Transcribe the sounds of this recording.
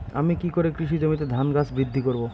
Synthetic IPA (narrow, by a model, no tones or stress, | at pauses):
a̰mikikoɾekɾiʃ̬id͡ʑomit̪ed̪ʱanɡasbɾid̪ʱːikoɾbo